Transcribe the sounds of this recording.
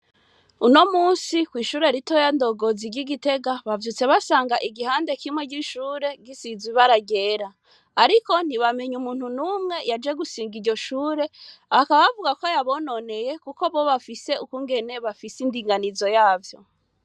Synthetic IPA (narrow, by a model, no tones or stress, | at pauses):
uno̞muːnsikwiːʃuːɾeɾitojando̞ɡoziɟiɡite̞ɡaβavjut͡se̞βasaːŋɡaʔiɡihaːnde̞kimwe̞ɟiʃuːɾe̞ɡisiziβaɾaɟe̞ːɾaː | ɾiko̞n̥iβame̞ɲumuːn̥hunumŋe̞jad͡ʒe̞ɡusiːŋɡiɾɟo̞ʃuːɾe̞akaβaβavuɡakojaβo̞no̞ne̞jekuko̞βo̞βafise̞ukuŋɡe̞ne̞βafisindiːŋɡanizo̞jaːvjo̞